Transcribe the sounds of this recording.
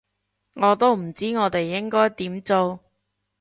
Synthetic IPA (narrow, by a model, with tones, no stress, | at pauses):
ŋɔː˨˧t̪o˥wm̩˨˩t͡siː˥ŋɔː˨˧t̪e˨jːɪ˥ŋkɔː˥jt̪iː˨˥mt͡so˨˧w